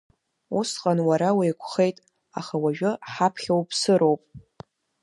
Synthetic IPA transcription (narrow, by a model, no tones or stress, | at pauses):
usqʼanwaɾawijkʷʰχe̞jtʼ | a̰χawaʒᶣʊħapʰχʲawpʰsɨɾo̞wpʼ